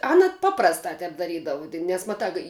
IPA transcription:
ˈɑːnɐ ˈpɑːprɐstɑː ˈtʲɛp dɐˈrʲiːdɐʋʊ tʲɪk nʲɛs mɐˈtɑː kɐɪ

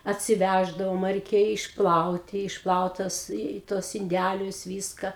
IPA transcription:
ɐtʲsʲɪˈʋʲæʒdɐʋoːm rʲɛɪˈkʲeːjɛ ɪʃˈplˠɐʊtʲɪ ɪʃˈplˠɐʊt tɐs ɪ tuɔs ɪnʲˈdʲælʲʊs ˈʋʲiːskɐ

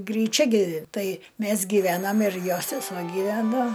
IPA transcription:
ɡrʲiːˈt͡ʃʲɛ ˈɡʲɪ ˈtɐɪ ˈmʲæs ɡʲɪˈʋʲæːnɐm ɪr ˈjoː sʲɛsuɔ ɡʲiːˈʋʲæːnoː

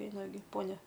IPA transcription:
ˈɛɪnɐ ɡʲɪ ˈpoːnʲɛ

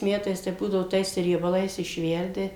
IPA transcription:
ˈmʲæːtɐɪs tɐɪ ˈbuːdɐʋoː ˈtɐɪs rʲiɛbɐˈlˠɐɪs ɪʃʲˈʋʲɛrʲdʲɪ

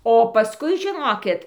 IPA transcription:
oː pɐˈskʊɪ ʒʲɪˈnoːkʲɪt

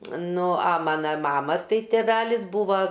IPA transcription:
ˈnʊ ɐ ˈmɑːnɐ ˈmɑːmɐs ˈtɐɪ tʲɛˈʋʲæːlʲɪs ˈbuːʋɐ

